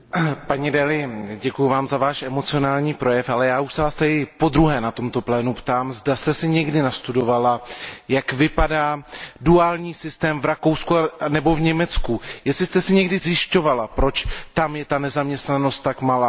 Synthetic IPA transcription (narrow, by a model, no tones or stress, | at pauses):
paɲɛdɛlɪɟɛkujuvaːmzavaːʃʔɛmo̞t͡sɪo̞naːlɲiːpɾo̞jɛfalɛjaːuʃsɛvaːst̪ɛɪpo̞d̪ɾuɦɛːnat̪o̞mt̪o̞plɛːnupt̪aːmzdast̪ɛsɪɲɛɡdɪnast̪udo̞valajakvɪpadaːduaːlɲiːsɪst̪ɛːmvɾako̞wskuanɛbo̞vɲɛmɛt͡skujɛstlɪst̪ɛsɪɲɛɡdɪzjɪʃco̞valapɾo̞t͡ʃt̪amjɛt̪anɛzamɲɛst̪nano̞st̪ːakmalaː